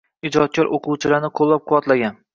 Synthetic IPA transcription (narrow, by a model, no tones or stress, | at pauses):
ɪd͡ʒɒt̪̚kʲʰɒɾʔoqʰʊwt͡ʃʰɪlaɾnɪqʰolˠːap̚qʰʊwɒt̪laɡʲan